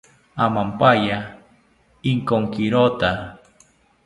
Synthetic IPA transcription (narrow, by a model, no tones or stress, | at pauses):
amampaja | iŋkoŋkiɾot̪a